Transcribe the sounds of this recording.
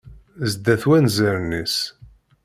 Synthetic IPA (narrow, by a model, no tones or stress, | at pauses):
zd̪æθwænzəɾnis